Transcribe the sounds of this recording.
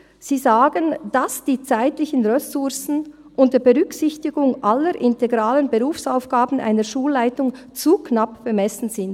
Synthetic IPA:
z̥iːzaːɡənd̥asd̥iːt͡saɪtlɪçənʁɛsʊɾsn̩ | ʔʊnt̚d̥ɛbeʁʏksɪçtɪɡʊŋʔalːəɾʔɪnteɡʁaːlənbəʁuːfsaʊfɡ̥aːbn̩ʔa̰ɪnəɾʃuːlːaɪtʊŋ | t͡sukʰnapb̥əmɛsn̩zɪnd̥

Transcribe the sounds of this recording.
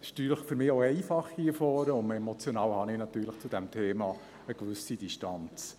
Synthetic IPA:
ɪʃt̪yːləχfʏɾmɪːoɛɪfɑχiɛfɔːɾəʊnmɛmɔt͡sjonɑːwhɑnɪnɑt̪yːɾləχt͡sʊd̥̪ɛmt̪ʰeːmɑː | əkʋʏsid̥iʃtɑnt͡s

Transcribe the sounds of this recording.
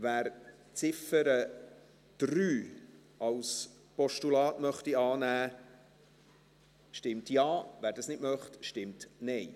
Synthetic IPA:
væːɾ | t͡sɪfəɾə | d̥ryː | ɑls | pɔʃtulɑːtmœχtiɑːnæː | ʃtɪmtjɑːvæːɾdɑsnɪtmœχtʃtɪmtnɛj

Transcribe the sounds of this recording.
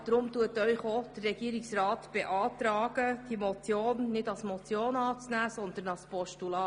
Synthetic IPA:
d̥ɾʊmtuətœʏχod̪̥ərːɛɡ̥iːəɾɪksrɑːtb̥eʔɑːtɾɑːɡ̥əd̥imɔt͡sjoːnːɪdɑlsmɔt͡sjoːnɑːt͡snæːsɔnd̪ənɑlspɔʃtulɑː

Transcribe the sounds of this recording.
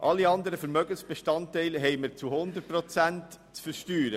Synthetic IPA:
ʔɑlːiɑnd̪əɾəfəɾmœɡənsb̥eʃtɑntɛɪlɦɛɪməɾt͡suhʊnd̪ət̚pɾɔt͡sænt | t͡sfəɾʃtyːɾə

